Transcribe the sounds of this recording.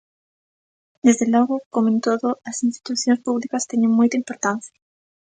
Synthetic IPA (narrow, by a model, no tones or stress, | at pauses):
d̪ezðelɔɣʊkomẽnt̪oðʊɐsinst̪i̥t̪uθjõnspuβlikɐst̪eɲẽŋmojt̪ɐĩmpoɾt̪anθjɐ